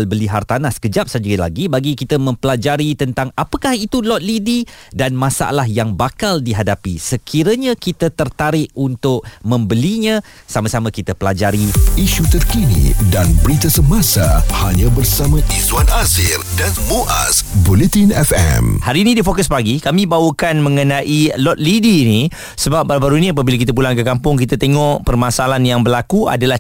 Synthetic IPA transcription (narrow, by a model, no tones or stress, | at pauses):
lbəliɦart̪anaskəd͡ʒap̚sad͡ʒəila̰ɡibaɡikit̪əmə̃mpəlad͡ʒaɾit̪ənt̪aŋapakahit̪ulɔt̪̚lididanmãsa̰ʔa̰lahjaŋbakaldiɦadapisəkʰiɾəɲãkit̪ət̪ərt̪aɾɪʔunt̪ʊʔ̚mə̃mbəliɲã | samasamãkit̪əpəlad͡ʒaɾiiʃut̪ərkinḭdanbəɾit̪asəmasahaɲãbərsamãʔizwanazɪrdanmuʔa̰sbulɛt̪inɛfɛ̰mhaɾiːnĩdifokʊspaɡikamĩbawəkanmə̃ŋənãʔilɔt̪̚lidiːni | səbap̚baɾubaɾuiniap̬abilak̬it̪ap̬ulaŋkəkampʊŋkit̪at̪eŋɔʔpərmasalanjaŋbərlakua̰dalah